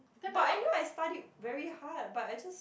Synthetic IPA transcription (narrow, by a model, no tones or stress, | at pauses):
b̥ʌɾaɪnoʊaɪstaɾit̚vɛɹihɑɹd̚bʌɾaɪd͡ʒʌs